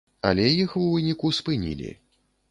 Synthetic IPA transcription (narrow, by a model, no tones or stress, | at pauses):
a̰lʲɛjixuvɨnʲikuspɨnʲḭlʲḭ